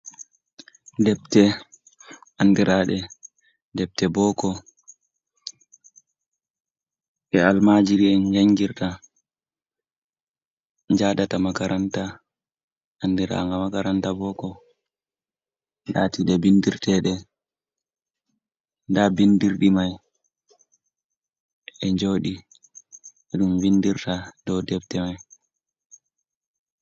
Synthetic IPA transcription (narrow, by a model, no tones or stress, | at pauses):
dɛp̚tɛ | ʔandiɾaɗɛ | dɛp̚tɛbɔkɔ | ʔɛalmad͡ʒiɾiɛnd͡ʒaŋɡiɾta | ɲd͡ʒadatamakaɾʔanta | ʔandiɾa̰ŋɡamakaɾantabɔkɔ | latiɗɛbindiɾtɛɗɛ | ndabindiɾɗimaj | ɛɲd͡ʒoːɗi | ɛɗumvindiɾtadɔwdɛftɛmaj